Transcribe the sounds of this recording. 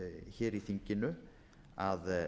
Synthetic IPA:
çɛːɾiθiɲcɪnʏ | að

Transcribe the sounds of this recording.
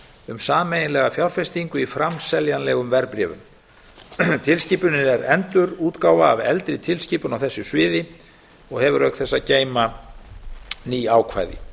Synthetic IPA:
ʏmsaːmejɪnlɛɣafjawɾfɛst̪iŋkʏifɾamsɛljanlɛɣʏmvɛɾpɾjɛːvʏ̰m | t̪ʰɪlsciːpʏnɪɛɾɛnt̪ʏɾuːt̪kaːwvaːvɛ̰lt̪ɾɪt̪ʰɪlsciːpʏnawθɛsːʏsvɪːðɪ | ɔɣhɛvʏɾœɥkt̪θɛsːaceːjma | niːaːwkʰva̰ːjðɪ̰

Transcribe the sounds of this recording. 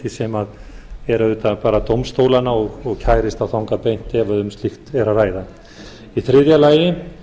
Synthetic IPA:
isɛmað | ɛɾaðʏːt̪apaːɾat̪owmst̪owlanaɔɣɔɣcʰaːjɾɪst̪awθawŋkapejn̥t̪ɪɛvaðʏmst̪lɪxt̪ɛɾaraːjða | iθɾɪðjalaːjɪ

